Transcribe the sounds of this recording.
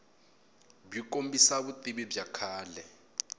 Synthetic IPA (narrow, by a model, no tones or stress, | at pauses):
bjikʼombisaβutʼiɓibjakʰaːlɛ